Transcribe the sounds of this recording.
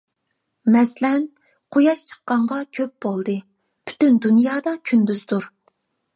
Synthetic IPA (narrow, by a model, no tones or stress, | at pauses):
mɛslɛn | qʰojɑʃt͡ʃʰə̥qːɑɴʁɑkʲʰøp̚b̥olˠd̪ɨ | pʰy̥t̪ynd̪unjɑːd̪ɑkʲʰynd̪yzd̪uɾ